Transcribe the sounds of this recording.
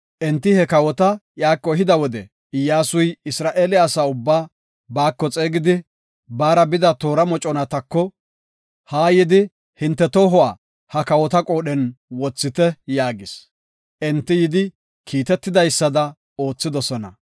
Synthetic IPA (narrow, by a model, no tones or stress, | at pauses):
ʔɛnt̪ːɪhɛkɐwɔt̪ɐjaːkʼːɔɦɪd̪ɐwɔd̪ɛ | ɪjːaːsʊjɪsɾaːʔe̞ːlɪaːsaːʊbːaː | baːkːɔt͡sʼe̞ːɡɪd̪ɪ | baːɾɐbɪd̪ɐt̪o̞ːɾɐmɔt͡ʃʼɔnɐt̪ɐkːɔ | haːjɪd̪ɪ | hɪnt̪ːɛt̪oːɦɔwaː | hɐkɐwɔt̪ɐkʼo̞ːɗɛnwɔt͡sːɪt̪ɛjaːɡɪs | ʔɛnt̪ːɪjɪd̪ɪ | kʰiːt̪ɛt̪ːɪd̪ɐjsːɐd̪ɐ | o̞ːt͡sːɪd̪ɔsɔnɐ̰